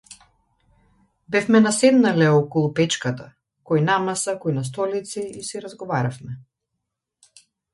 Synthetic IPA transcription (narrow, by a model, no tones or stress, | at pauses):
bɛfmɛnasɛd̪nalɛɔkɔlˠupɛt͡ʃkat̪a | kɔjnamasakɔjnas̬t̪ɔlit̪siisɛɾazɡɔvaɾafmɛ